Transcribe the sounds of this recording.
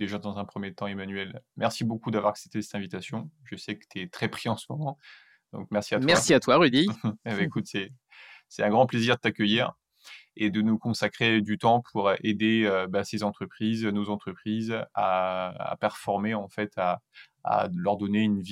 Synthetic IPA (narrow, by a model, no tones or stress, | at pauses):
d̪̥eʒad̪ɑ̃zɛ̃pχəmjet̪ɑ̃emanɥɛlmɛʁsibokud̪avwaʁaksɛp̚t̪esɛ̥t̪ɛ̃vit̪asjɔ̃ʒəsɛkə̥t̪yɛt̪χɛpχiɑ̃səmɔmɑ̃ | d̪̥ɔ̰̃k̚mɛʁsiat̪mɛʁsiat̪waʁyd̪ibɛekut̪sɛ | sɛt̪ɛ̃ɡʁɑ̃pleziʁd̪ət̪akʲəjiːʁ | ed̪ənukɔ̃sakχed̪yt̪ɑ̃pʰuʁʔed̪eøbasezɑ̃t̪χəpχiznozɑ̃t̪χəpχizaa̰pɛʁfɔʁmeɑ̃fɛt̪ʰa̰ː | lœʁd̪ɔneynvi